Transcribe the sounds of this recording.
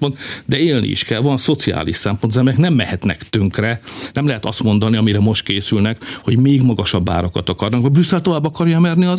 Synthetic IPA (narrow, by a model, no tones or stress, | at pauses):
pont̪d̪ɛeːlnḭʔḭʃkɛlvɒnso̞t̪sia̰ːliʃsɛmpo̞nzɛmejɛknɛmːɛhɛt̪nɛ̰kt̪øŋkrɛnɛmlɛɦɛt̪ɒst̪mo̞nd̪ɒniɒmiɾɛmo̞ʃt̪̚keːsylnɛkho̞ɟmeːɡmɒɡɒʃɒbːa̰ːɾokɒt̪ɒkɒrnɒkmɒɟbɾysːɛlt̪o̞vaːbːɒkɒrjɒmɛrniɒ